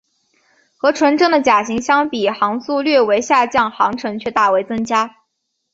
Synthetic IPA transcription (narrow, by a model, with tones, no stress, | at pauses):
xɤ˧˥ʈ͡ʂʰwə˧˥nʈ͡ʂɤ˥˩ŋd̪ə˩t͡ɕja˨˩ɕi˧˥ŋɕjɑ˥ŋpi˨˩xɑ˧˥ŋsu˥˧lɥɛ˥˩we˧˥ɪɕja˥˧t͡ɕjɑ˥˩ŋxɑ˧˥ŋʈ͡ʂʰɤ˧˥ŋt͡ɕʰɥɛ˥˧t̪a˥˩we˧˥ɪt͡sɤ˥ŋt͡ɕja˥